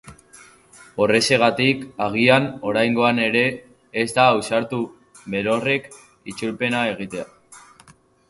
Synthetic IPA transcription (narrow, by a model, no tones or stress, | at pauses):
o̞re̞se̞ɣ̞at̪ikaɣ̞iano̞ɾajŋɡo̞ane̞ɾe̞ː | zd̪aːwsaɾt̪u | βe̞ɾo̞re̞k | it͡ʃuɾpe̞nae̞ɣ̞it̪e̞a